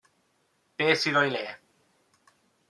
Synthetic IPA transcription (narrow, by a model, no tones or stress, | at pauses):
peːsiɾojle